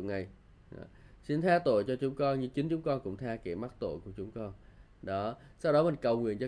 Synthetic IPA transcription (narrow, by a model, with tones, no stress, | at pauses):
ŋa˨˩j̰ | si˧nt̪ʰaː˧t̪o̰˧˨jt͡ɕɔ˧t͡ɕʊ˨˦ŋ͡mkɔ˧nɲɨ˧ŋt͡ɕï˨˦ŋ̟t͡ɕʊ˨˦ŋ͡mkɔ˧nkʊ̰˧˥ŋ͡mt̪ʰaː˧ki˧˩ma˦˥t̚t̪o̰˧˨jku˧˩ət͡ɕʊ˨˦ŋ͡mkɔ˧n | ɗɔ˨˦sa˧wɗɔ˨˦mï˨˩ŋ̟kə˨˩wŋwḭ˧˨ənt͡ɕɔ˧